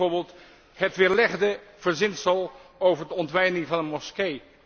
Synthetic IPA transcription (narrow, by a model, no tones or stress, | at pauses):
oːɹbɪːlˠt | hətʋɪːɹlɛχdəv̥əɹzɪnsəlˠowvəɹdəɔntʋɛjnɪŋvɑnənmɔskej